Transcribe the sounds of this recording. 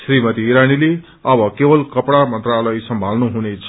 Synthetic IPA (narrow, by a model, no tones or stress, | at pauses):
srimʌt̪iːɾanile | ʌbʌkebʌlkʌpɽamʌnt̪ralʌjsʌmbʱalnuɦunet͡sʰ